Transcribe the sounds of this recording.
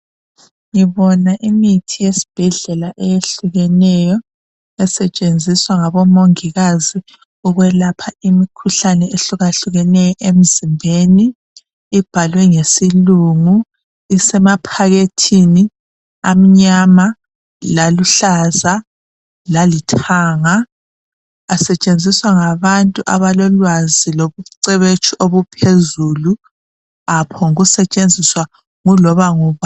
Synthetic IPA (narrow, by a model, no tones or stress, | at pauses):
ŋiβɔnaʔimitʰijesi̥b̥ʱɛɮɛlaʔɛjeɬuɣɛnɛjɔ | ɛsɛt͡ʃʼend͡zʱiswaŋaβɔmoŋiɣazi | uɣwɛlapʰaimikʰuɬanɛeɬuɣaɬuɣɛnɛjɔʔem̩zimbʱeniː | b̥ʱalwɛŋesiluŋu | isɛmapʰaɣetʰini | am̩ɲama | laluɬaza | lalitʰaːŋa | sɛt͡ʃʼend͡zʱiswaŋaβantʼuʔaβalɔlwaziloβuǀɛβet͡ʃʰʼiʔoβupʰezulu | apʰɔŋuɣusɛt͡ʃʼend͡zʱiswa | ŋulɔβaŋuβa